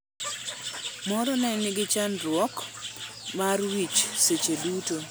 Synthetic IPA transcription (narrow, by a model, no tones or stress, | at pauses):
mɔɾɔnɛŋnɪɡɪt͡ʃanɾwɔk | marwit͡ʃset͡ʃeduto